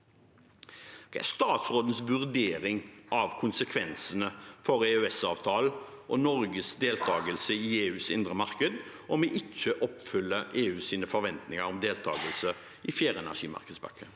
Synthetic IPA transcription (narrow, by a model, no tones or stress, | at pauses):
d̪̥ɛæ̰ʁst̪ɑːt̪sɾoːd̪ən̩sʋʉʁd̪eːɾɪŋʔɑʋkʰʊnsəkʰʋɛnsənəfɔɾeøɛsɑ̰ːʋt̪ʰɑːl | ʔɔnɔɾɡəsd̪eːlt̪ʰɑːɡəlsəieːʉːsɪ̰nd̪ʁəmɑɾkəd̪ | ɔmeʔɪt͡ʃːəʔɔpfʏlːəeːʉːsiːnəfɔɾʋɛnt̪nɪŋəɾɔmd̪eːlt̪ʰɑ̰ːɡəlsə | ɪfjæːɾɛnæ̰ʂḭːmɑ̰ʁkəd̪sbœ̰kʰːə